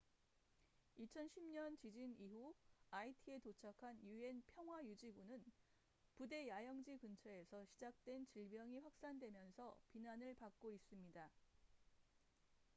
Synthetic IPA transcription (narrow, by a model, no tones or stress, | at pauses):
it͡ɕʰʌnɕʰimɲʌnt͡ɕid͡ʑiniɦuaitʰie̞tot͡ɕʰakʰanjue̞npʰjʌŋɦwajud͡ʑibunɯn | pude̞jajʌŋd͡ʑikɯnt͡ɕʰʌe̞sʰʌɕʰid͡ʑak̚t͈we̞nt͡ɕiɭbjʌŋiɸwak̚s͈andwe̞mjʌnsʰʌpinanɯɭpak̚k͈ois͈ɯmɲida